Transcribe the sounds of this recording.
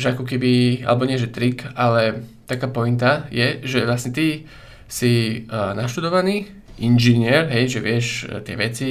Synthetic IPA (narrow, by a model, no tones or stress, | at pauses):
ʒɛakɔkɛbia̰lɛbɔɲɪɛʒɛt̪ɾikalɛt̪akaːpɔint̪ajɛʒɛʋlasɲɛt̪i | sinaʃt̪ud̪ɔʋaniː | ʔinʒiɲɪɛɾɦɛjʒɛʋɪɛʃt̪ɪɛ̰ʋɛt͡si